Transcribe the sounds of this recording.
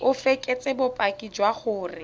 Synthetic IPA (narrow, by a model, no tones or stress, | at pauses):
ʊfekʼet͡sʼɪbʊpʼakʼid͡ʒwaχʊːrɪ